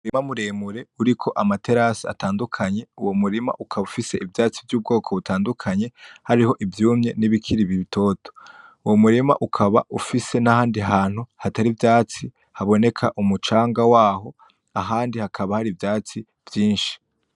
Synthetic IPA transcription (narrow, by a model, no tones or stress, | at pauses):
uɾimamuɾeːmuɾe̞uɾikʰo̞ʔamate̞ɾasia̰taːndukʰaɲe̞uwomuɾima̰ʔukʰaβufise̞ʔivjaːt͡sivjuːb̚ɡo̞ːkʰo̞βutaːndukʰaɲe̞haɾiho̞ʔivjuːmɲe̞niβikʰiɾiβiβitʰo̞ːto̥uwomuɾima̰ʔukʰaβa̰ʔufisenahaːndiɦaːn̥huhataɾivjaːt͡si | haβo̞ne̞kʰaʔumut͡ʃaːŋɡawaːɦo̞ | aɦaːndihakʰaβahaɾivjaːt͡si | v̥jiːnʃi̥